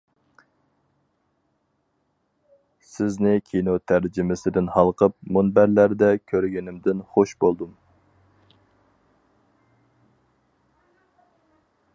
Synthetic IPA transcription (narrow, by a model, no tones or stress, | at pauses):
sɪznɪkʲʰinot̪ʰæɾd͡ʒɪmɪsɪd̪ɪnhɑlˠqʰəp̚munbæɾlæɾd̪ɛkʲʰøɾɡʲinɪmd̪ɪnχoʃbolˠd̪um